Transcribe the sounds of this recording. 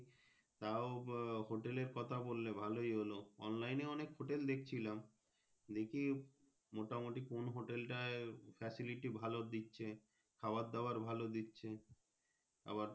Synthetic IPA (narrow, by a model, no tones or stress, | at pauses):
t̪aoɦoʈeleɾkɔt̪ʰabolːebʱalojɦoloɔ̰nlajneɔnekɦoʈeld̪ekʰt͡ɕʰilam | d̪ekʰi | moʈamoʈikonɦoʈelʈaefɛsiliʈibʱalod̪itːɕʰe | kʰaoad̪̚ːaoaɾbʱalod̪itːɕʰe | a̰βaɾ